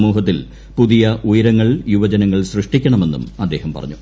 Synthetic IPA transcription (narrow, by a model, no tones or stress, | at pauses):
muːɦɐt̪ːil | puðijɐʔujɐɾɐŋːɐɭjuʋɐd͡ʑɐnɐŋːɐɭsrɨʂʈikʲːɐɳɐme̞nːṵmɐd̪ːe̞ːhɐmpɐ̰rɐ̰ɲːu